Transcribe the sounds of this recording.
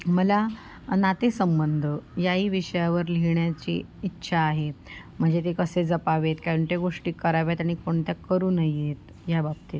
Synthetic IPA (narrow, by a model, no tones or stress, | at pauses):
məla | nat̪esəmbənd̪ʱəjaɦiːʋiʂəjaʋəɾliɳjat͡ɕḭitːɕʰaːɦe | m̤əɳd͡ʑet̪ekəsed͡zəpaʋet̪kaɾəɳʈ̪jaɡoʂʈiːkəɾaʋjat̪aɽ̃ikoɳt̪jakəɾuːnəjet̪ | jabab̚t̪e